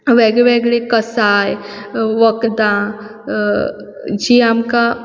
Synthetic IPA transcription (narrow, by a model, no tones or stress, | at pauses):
ʋeɡeʋeɡɭekəsajʋəkd̪ã | d͡ʑiːamka